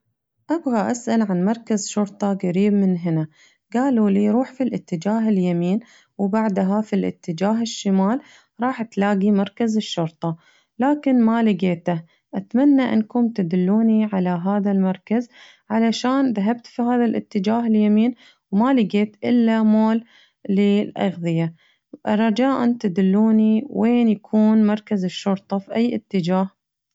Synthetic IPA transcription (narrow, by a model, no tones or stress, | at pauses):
ʔabɣaʔasʔalʕanmɑɾˤkazʃʊɾt̪ˤɑɡaɾiːbmɪnɦɪna | ɡaːluliːɾuːħfilʔɪt̪ːɪd͡ʒaːɦɪljamiːn | wbaʕd̪ɦafilʔɪ̰t̪ːɪd͡ʒaːɦɪʃːɪmaːl | ɾˤɑːħt̪laːɡimɑɾˤkazɪʃːʊɾt̪ˤɑ | laːkɪnmalɪɡeːt̪a | ʔat̪manːaʔɪ̰nkʊmt̪ad̪ɪlːuːniʕalaɦaːðalmɑɾˤkaz | ʕalaʃaːnðaɦab̚t̪fihaːðalʔɪ̰t̪ːɪd͡ʒaːɦɪljamiːn | wmalɪɡeːt̪ʔɪlːamoːlː | ɪlʔɑ̰ɣðɨja | rˤːɑd͡ʒaːʔant̪ad̪ɪlːuːniweːnjakʰuːnmɑɾˤkazɪʃːʊɾt̪ˤɑfiʔajːʔɪ̰t̪ːɪd͡ʒaːh